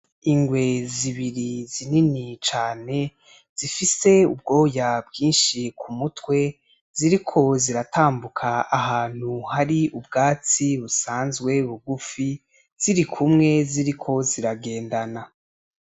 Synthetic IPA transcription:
iŋɡwe̞ziβiɾizininit͡ʃaːne̞ | z̥ifise̞ub̚ɡo̞ːjabɡiːnʃikʰumutwe̞ | z̥iɾikʰo̞ziɾataːmbukʰaaɦaːn̥huhaɾiubɡaːt͡siβusaːnzɡwe̞βuɡufi | z̥iɾikʰumŋe̞ziɾikʰo̞ziɾaɡe̞ːndana

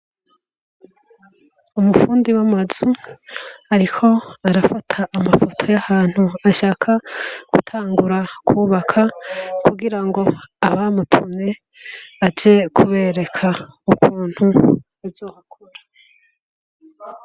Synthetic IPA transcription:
umufuːndiwamazu | aɾikʰo̞aɾafatʰaʔːmafo̞tʰo̞jahaːn̥huaʃaːkʰaɡ̥ṵtʰaːŋɡuɾakʰuːβakʰakʰuɡiɾaŋɡo̞aβamutʰumɲe̞ | ad͡ʒe̞kʰuβe̞ɾe̞kʰaukʰuːn̥hu | uzoːhakʰoɾa

